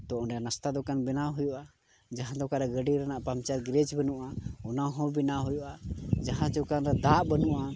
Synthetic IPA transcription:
t̪ɔɔnɛjanast̪ad̪ɔkanbɛnaɦujuʔa | d͡ʒaɦãd̪ɔkaɾɛɡəɖiɾanaʔpamt͡ʃat̪ɡɾɛd͡ʒbənuʔaɔnaɦɔ̃binaɦujɔʔad͡ʒaɦãt͡ʃɔkanɾɛd̪aʔbənuʔa

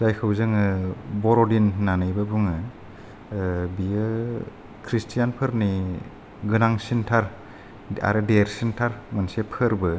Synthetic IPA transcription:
zajkʰɯwzɯŋɯbɔɾɔdinːanɯjbɯbuŋɯ | biɯ | kʰɾistʰijanpʰɯɾni | ɡɯnaŋsintʰaɾ | a̰ɾɯdeɾsintʰaɾmansepʰɯɾbɯ

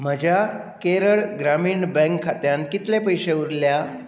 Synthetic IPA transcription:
m̤əd͡ʑʱja | keɾəɭɡɾamiːɳbɛ̃ŋkʰːat̪jãnt̪̚kit̪lepəjɕeuɾlja

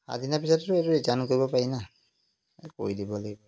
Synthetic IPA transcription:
a̰dinapisɔttʊɛtʊitankoɹibɔpaɹina | ko̰idibɔlaɡibɔ

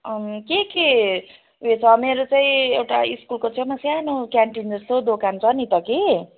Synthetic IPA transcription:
keke | et͡sʰʌmeɾot͡saĩewʈaiskulkot͡sʰʌmasjanokjaɳʈindʌrsod̪okant͡sʰʌnit̪ʌki

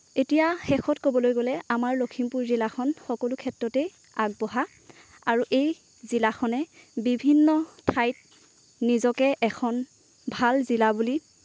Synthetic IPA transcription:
etijaxɛxʰɔtkobɔlojɡolɛamaɹlokʰimpuɹzilakʰɔnxɔkɔlukʰɛtɹɔtɛ | aɡ̚bɔɦa | aɹuʔej | zilaxʰɔnɛbibʱinːɔtʰajt̚ | nizɔkɛʔɛkʰɔn | bʱalzilabuli

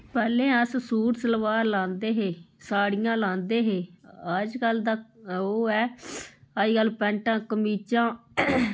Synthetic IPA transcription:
pɛːlẽːəssuːɾsələʋaːɾlãːnd̪eːɦeːsaːɽijãːlãːnd̪eːɦeːəd͡ʒkəld̪aːoːɛː | əd͡ʒɡəlpɛ̃ːɳʈãːkəmiːt͡ʃãː

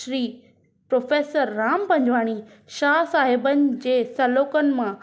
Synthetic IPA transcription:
ʃɾiː | pɾoːfeːsəɾːaːmpɐ̃ɲd͡ʑʋaːɽ̃i | ʃaːsaːɦɪbənɪ̆d͡ʑeːsɐloːkənɪ̆mã

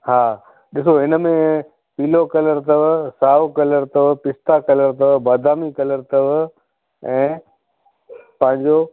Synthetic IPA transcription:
ɦaː | ɗɪsoɦɪnəmẽ | piːlokɐləɾt̪ɐʋsaːʋkɐləɾt̪ɐʋpɪst̪akɐləɾt̪ɐʋbaːd̪ʱaːmikɐləɾt̪ɐʋ | ɛ̃ː | pɐ̃ɦɪ̃ɲd͡ʑo

